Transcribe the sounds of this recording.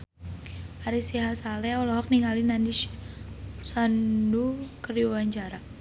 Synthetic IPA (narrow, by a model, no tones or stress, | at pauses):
aɾisiɦasalɛɔlɔɦɔk̚niŋalinandiʃ | sandukəriuwaɲt͡ʃaɾa